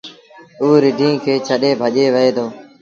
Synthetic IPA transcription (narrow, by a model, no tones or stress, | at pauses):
uːɾɪɖʱĩːkʰeːt͡ʃʰəɗeːbʱəʄeːʋəɦeːd̪oː